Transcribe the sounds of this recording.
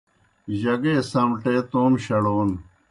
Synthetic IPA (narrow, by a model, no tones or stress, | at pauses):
ʑɐɡeːsɐmʈeːt̪oːmɕɐɽoːn